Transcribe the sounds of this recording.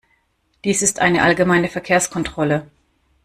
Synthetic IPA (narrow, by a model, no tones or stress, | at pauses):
d̥iːsɪstʔa̰ɪnəʔalɡəmaɪnəfɛɐkʰeːɐskʰɔntʁ̥ɔlə